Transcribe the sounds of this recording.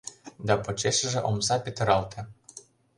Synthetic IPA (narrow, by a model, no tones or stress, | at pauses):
d̪ɑpŏt͡ɕeʃə̆ʒĕʔomsɑpʲet̪ə̆ɾɑlt̪ʰĕ